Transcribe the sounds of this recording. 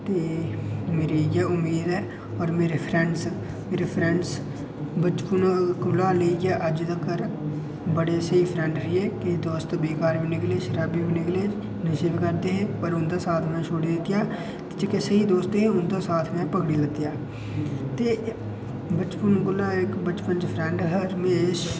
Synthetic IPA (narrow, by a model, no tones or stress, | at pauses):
t̪eːmeːɾiːjaʊmiːd̪ɛː | ɔːɾmeːɾeːpʰɾɛɳɖs | meːɾeːpʰɾɛɳɖs | bət͡ʃpunɡʊlːaːleiɡɛːʔəd͡ʒd̪əkːəɾ | bəɽeːsəiːpʰɾɛ̃ːɳɖɾiːɛːkɪd̪oːst̪ːbeːkaːɾʋiːnɪkleːʃəɾaːbiːbinɪkleː | nɪseːbikəɾd̪eːɦẽːpəɾʊnd̪aːsaːt̪ʰmɛ̃ːʃʰoːɽiːd̪ɪt̪ːɪjaː | t̪ɪ̥t͡ʃɪkesəiːd̪oːst̪eẽːʊnd̪aːsaːt̪ʰmɛ̃ːpəkɽiːlət̪jaː | t̪eː | bət͡ʃpənɡʊlːaːɪkbət͡ʃpənd͡ʒpʰɾɛ̃ːɳɖɦəːɾmẽʃ